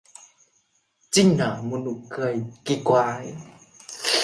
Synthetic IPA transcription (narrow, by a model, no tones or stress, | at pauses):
t͡sinamunukajkikuaj